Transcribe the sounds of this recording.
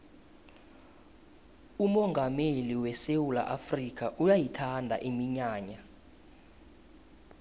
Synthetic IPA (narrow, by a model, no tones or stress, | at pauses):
umɔŋɡʱameliwɛsewula̰ʔafrik̬ʰʼaʔujajitʰandʱa̰ʔimiɲaːɲa